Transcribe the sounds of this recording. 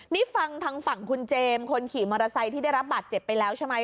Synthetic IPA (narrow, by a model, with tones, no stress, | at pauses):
ni˦˥fa˧ŋt̪ʰaː˦˥ŋfa˨˩ŋkʰu˧nt͡ɕeː˧mkʰo˧nkʰiː˨˩˦mɔː˧ɾa˧sa˧jt̪ʰiː˥˩da˥˩jɾa˦˥p̚baː˨˩t̪̚t͡ɕe˨˩pːa˧jlɛː˦˥wt͡ɕʰe˦˥ma˦˥j